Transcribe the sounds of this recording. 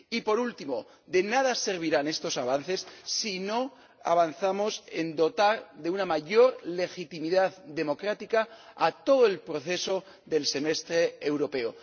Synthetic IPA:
ipo̞ɾult̪imo̞ | ðe̞nað̞ase̞ɾβ̞iɾane̞st̪o̞saβ̞anθe̞sːino̞ | a̰β̞anθamo̞se̞nd̪o̞t̪aɾðe̞unamaʝo̞ɾle̞xit̪imiðaððe̞mo̞kɾat̪ikaːt̪o̞ðoe̞lpɾo̞θe̞so̞ | ðe̞lse̞me̞st̪ɾe̞ːwɾo̞pe̞o

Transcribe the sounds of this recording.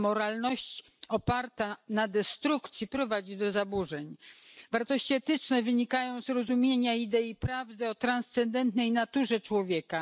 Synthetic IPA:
mɔɾalnɔɕt͡ɕ | ɔpaɾt̪anad̪ɛst̪ɾukt̪sʲjipɾɔvad͡ʑid̪ɔzabuʐɛɲvaɾt̪ɔɕt͡ɕiɛt̪ɘt͡ʂnɛvɘɲikajɔ̃w̃zɾɔzumʲjeɲaid̪ɛipɾavd̪ɘɔt̪ɾanst̪sɛnd̪ɛnt̪nɛjnat̪uʐɛt͡ʂwɔvʲjɛka

